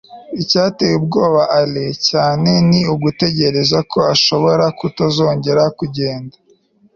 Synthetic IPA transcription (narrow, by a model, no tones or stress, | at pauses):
icaːteweb̚ɡo̞ːβaʔalecaːne̞niuɡute̞ɟe̞ɾe̞zakʰo̞aʃo̞βo̞ɾakutazo̞ːɲɟe̞ɾakuɟe̞ːndḁ